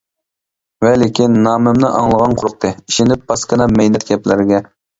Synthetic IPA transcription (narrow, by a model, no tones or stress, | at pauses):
vɛlɪkʲinːɑːmɪmnɨʔɑ̰ŋlˠəʁɑnqʰʊɾʊq̚t̪ʰɨiʃɪnɪp̚b̥ɑskənɑmɛjnɛt̪ɡʲɛplɪɾɪɡʲɛ